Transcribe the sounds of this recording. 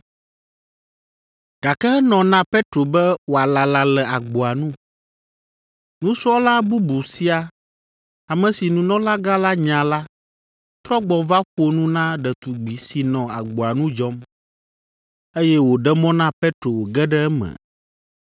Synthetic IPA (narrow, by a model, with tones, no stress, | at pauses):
ɡ̥a˨kɛ˦ɛ˦nɔ̃˨nã˦pe˦t̪ɾo˨bɛ˦wo˨a˨la˨la˨lɛ˨a˨ɡ͡bo˨a˨nũ˦ | nũ˦su˦ɔ˦la˦bu˦bu˨si˦a˨ | a˨mɛ̃˨si˨nũ˨nɔ̃˦la˦ɡa˦la˦ɲã˨la˦ | t̪ɾɔ˦ɡ͡bɔ˨va˦ɸo˦nũ˦nã˦ɖɛ˨t̪u˨ɡ͡bi˨si˨nɔ̃˨a˨ɡ͡bo˨a˨nũ˦d͡ʒɔ˦m | e˦jɛ˦wo˨ɖɛ˦mɔ̃˦nã˦pɛ˦t̪ɾo˨wo˨ɡɛ˦ɖɛ˦ɛ˦mɛ̰˨